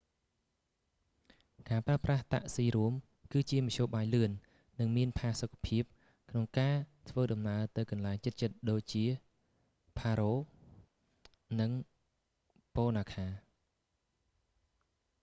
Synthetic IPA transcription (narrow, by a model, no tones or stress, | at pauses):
kaːpraəpraht̪a̰ʔsiːɾuəm | kɨːt͡ɕiəmɑʔʰɕoːɓaːjlɨənː | ɨŋmiənpʰaːsokʰːḁpʰiəp̚ | kʰnoŋkaːt̪ʰʋəːɗɑmnaət̪ɨwkɑnlaɛŋt͡ɕɨt̪̚t͡ɕət̪̚ɗoːc̚t͡ɕiə | pʰaːɾoː | nɨŋ | poːnaːkʰaː